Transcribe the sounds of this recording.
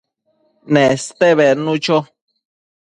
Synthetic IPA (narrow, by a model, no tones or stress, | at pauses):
nẽst̪eβenũt͡ʃo